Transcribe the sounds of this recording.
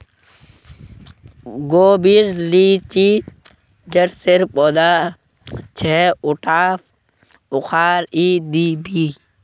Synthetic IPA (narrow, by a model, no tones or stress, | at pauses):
ɡoːbiɾliːt͡ʃiː | d͡ʒəʈsɪɾpɔd̪a | t͡ʃʰɛːʊʈaːf | ʊxʰaːɾid̪iːbiː